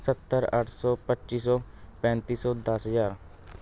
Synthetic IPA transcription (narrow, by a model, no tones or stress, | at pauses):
sət̪ːəɾə̰ʈʰsɔːpətːʃiːsɔːpɛ̃ːnt̪iːsɔːd̪əsɦəzaːɾ